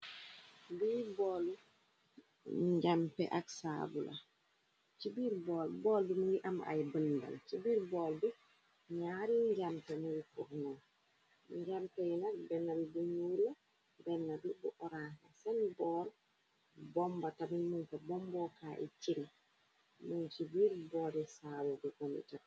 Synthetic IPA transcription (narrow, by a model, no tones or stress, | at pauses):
bibɔl | ɲɟampɛ̰ʔaksabula̰ | t͡ʃibiɾbɔːlbɔːlbimuŋɡiʔamʔa̰jbənda̰lt͡ʃibiːɾbɔːlbi | ɲaɾiɲɟampɛmuɡifuʔnɔ | ɲɟamtɛjinakbɛnːabibuɲula | bɛnːabibuʔɔɾanasɛnbɔl | bɔmbatabinmunkabɔmbɔkaːʔḭt͡ʃiŋ | munt͡ʃibiːɾbɔːdisaːbubukɔnḭta